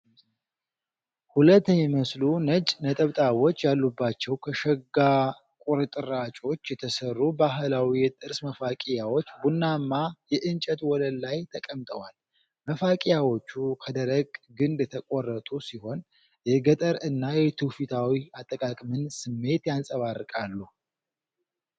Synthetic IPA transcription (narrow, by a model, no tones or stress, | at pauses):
hulət̪ʰːəɲːɛməslunət͡ʃʼnət̪ʼəβt̪ʼawo̞t͡ʃːjalːubːat͡ʃːɛwkʰəʃɛɡa | kʷʼuɾɨt̪ʼɨɾat͡ʃʼo̞t͡ʃːjɛt̪ʰəsərːubaɦlawijɛt̪ʼɨɾsməfakʼijawo̞t͡ʃːbunːamːajɛʔɨnt͡ʃʼət̪wɔləlːajt̪ʰəkʼəmt̪ʼəwal | məfakʼɪjawo̞t͡ʃːukʰəd̪əɾəɡɡɨnd̪t̪ʰəkʼɔrːət̪ʼusiho̞n | jɛɡət̪ʼəɾɨnːajɛt̪ʰufit̪ʰawiat̪ʼːəkʼakʼmɨnsɨmːe̞t̪jansʼəβarːɨkʼalːu